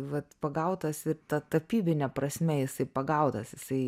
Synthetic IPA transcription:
ʋɐt̪pɐɡɐʊt̪ɐsɪɾt̪ɐt̪ɐpʲiːbʲɪnʲɛpɾɐsʲmʲɛjɪsɐɪpɐɡɐʊt̪ɐsjɪsɐɪ

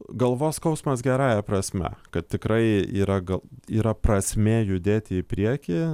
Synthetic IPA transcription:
ɡɐlˠʋoːskɐʊsmɐsɡʲɛɾɑːjɛprɐsʲmʲɛ̰kɐt̪t̪ʲɪkɾɐɪiːɾɐɡɐiːɾɐprɐsʲmʲeːjʊd̪ʲeːt̪ʲɪɪpʲɾʲiɛkʲi

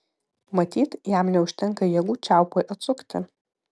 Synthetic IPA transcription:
mɐt̪ʲiːt̪jæmnʲɛʊʃʲt̪ʲɛŋkɐjɛɡuːt͡ʃʲæˑʊpoːjʔɐt̪sʊkt̪ʲɪ̰

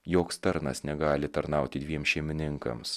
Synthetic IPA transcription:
joːkst̪ɐɾnɐ̰snʲɛɡɑːlʲɪt̪ɐɾnɑʊt̪ʲɪd̪ʲʋʲiɛmsʃʲiɛmʲɪnʲɪŋkɐ̰ms

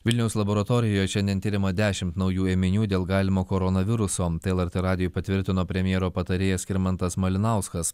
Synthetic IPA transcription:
ʋʲɪlʲnʲɛʊslˠɐboːɾɐt̪oːɾʲɪjoːjɛʃʲɛnʲd̪ʲɛnt̪ʲiːɾʲɪmɐd̪ʲæːʃʲɪmt̪nɒʊjuːeːmʲɪnʲuːd̪ʲeːlˠɡɑːlʲɪmoːkoɾɔnɐʋʲɪɾʊsoːt̪eɛɛlˠɐɾʲt̪ʲeɾɑːd̪ʲɪjoːjpɐt̪ʲʋʲɪɾʲt̪ʲɪnoːpʲɾʲɛmʲɪjɛːɾoːpɐt̪ɐɾʲeːjɛsʲkʲɪɾʲmɐnt̪ɐsmɐlʲɪnɐˑʊskɐs

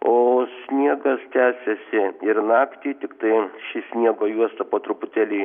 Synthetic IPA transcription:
oːsʲnʲiɛɡɐst̪ʲæːsʲɛsʲɪɪɾnɑːkt̪ʲiːt̪ʲɪkt̪ɐɪʃʲɪsʲnʲiɛɡoːjuɔst̪ɐpoːt̪ɾʊpʊt̪ʲæːlʲiː

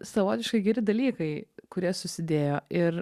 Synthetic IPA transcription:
sɐʋoːt̪ʲɪʃkɐɪɡʲɛɾʲɪd̪ɐlʲiːkɐɪkʊɾʲiɛsʊsʲɪd̪ʲeːjoːɪɾ

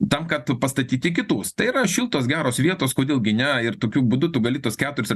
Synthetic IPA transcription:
t̪ɐmkɐt̪pɐst̪ɐt̪ʲiːt̪ʲɪk̬ʲɪt̪uːst̪ɐɪiɾɐʃʲiːlˠt̪oːs̬ɡʲæːɾoːsʋʲiɛt̪oːskoːdʲeːlˠɡʲɪnʲɛɪrt̪oːkʲuːbʊd̪ʊt̪ʊɡɐlʲiːt̪uɔskʲæːt̪ʊɾʲɪsɐ

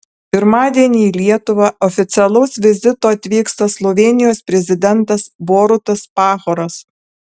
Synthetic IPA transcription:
pʲɪɾmɑːd̪ʲiɛnʲiːlʲiɛt̪ʊʋɑɔfʲɪt̪sʲɛlˠɐʊsʋʲɪzʲɪt̪oːɐt̪ʲʋʲiːkst̪ɐslˠɔʋʲeːnʲɪjoːspʲɾʲɛzʲɪd̪ʲɛnˑt̪ɐsboːɾʊt̪ɐspɑːxoːɾɐs

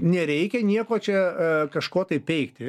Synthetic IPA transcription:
nʲɛɾʲɛɪkʲɛnʲiɛkoːt͡ʃʲɛkɐʃkoːt̪ɐɪpppʲɛɪkt̪ʲɪ

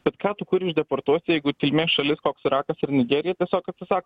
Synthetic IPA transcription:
b̥ʲɛt̪kɑːt̪ʊkʊɾɪʒd̪ʲɛpoɾt̪uɔsʲt̪ʲɪjɛɪɡʊt̪ʲɪlʲmʲeːʃɐlʲɪskoːksɪɾɑːkɐsɪɾnʲɪɡʲeːɾʲɪjɛt̪ʲiɛsʲoːkɐt̪ʲsʲɪsɑːkː

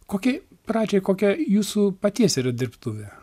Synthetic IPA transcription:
koːkʲɛɪ | prɑːd͡ʒʲɛɪkoːkʲɛjuːsuːpɐt̪ʲiɛsʲiːɾɐd̪ʲɪrpt̪uːʋʲɛ

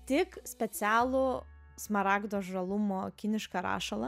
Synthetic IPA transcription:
t̪ʲɪksʲpʲɛsʲæːlˠʊ | smɐɾɑːɡd̪oːʒɾɐlˠʊmoːkʲɪnʲɪʃkɐɾɑ̰ːʃɐlˠɐ

